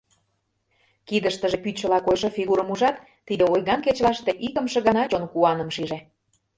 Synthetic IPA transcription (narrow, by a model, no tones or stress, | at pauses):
kid̪əʃt̪ə̆ʒepyt͡ɕə̆lɑkojʃɤfiɣuɾə̆muʒɑt̪ːid̪eojɣɑnket͡ɕlɑʃt̪eʔikə̆mʃɤ̆ɣɑnɑt͡ɕonkuɑnə̆mʃiʒĕ